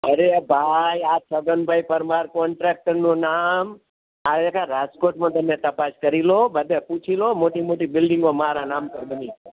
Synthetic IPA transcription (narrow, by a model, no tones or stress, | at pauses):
əɾebʱajasʰəɡənbʱajpəɾmaɾkɔɳʈɾek̚ʈəɾnũnam | aekaɾad͡ʒkoɾʈmãt̪əmnet̪əpaskəɾilobəd̪eput͡ʃʰilomoʈimoʈibɪlɖĩŋɡõmaɾanampəɾbənit͡ʃʰe